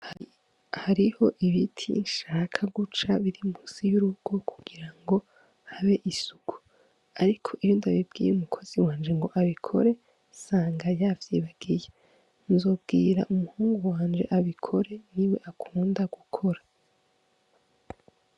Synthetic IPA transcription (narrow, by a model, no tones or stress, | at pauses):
haɾiho̞ʔiβitʰinʃaːkʰaɡut͡ʃaβiɾimusijuɾuɡ̥o̞kʰu̥ɡ̥iɾaŋɡo̞ | haβe̞ʔisuɡ̥u̥ | aɾikʰo̞ʔijoːndaβib̚ɡiːjeumukʰo̞z̥iwaːnd͡ʒe̞ŋɡo̞ʔaβikʰo̞ɾe̞ | saːŋɡajavjiβaɡ̥ije | nzo̞b̚ɡiːɾa̰ʔumuhuːŋɡuwaːnd͡ʒe̞ʔaβikʰo̞ɾe̞niwe̞ʔakʰuːndaɡ̥ukʰo̞ɾa